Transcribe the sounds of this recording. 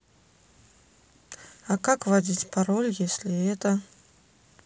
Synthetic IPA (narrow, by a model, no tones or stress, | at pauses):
akakvɐdʲitʲpaɾolʲjesʲlʲɪɛt̪ə